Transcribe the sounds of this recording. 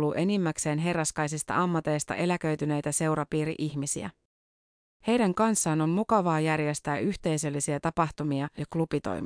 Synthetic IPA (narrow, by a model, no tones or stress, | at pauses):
luʔe̞nimːækse̞ːnɦe̞rːɑskɑjsist̪ɑ̰ɑmːɑt̪e̞jst̪ɑ̰ʔe̞læk̟ø̞ɥt̪yne̞jt̪æse̞wɾɑpiːɾḭʔiçmisḭæ̰ | he̞jdæŋkɑnsːɑːno̞nmukɑʋɑːjærje̞st̪æːʔyçt̪e̞jsø̞lːisiæt̪ɑpɑht̪umiɑjɑklupit̪o̰jm